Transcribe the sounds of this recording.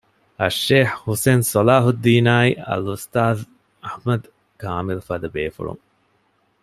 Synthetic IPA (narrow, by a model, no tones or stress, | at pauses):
ɐʃːeːhhuseːnsɔlaːɦud̪ːiːnaːiɐ̰lust̪aːð | ɐhmɐd̪ | kaːmilfad̪ɐbeːfṵɭṵŋ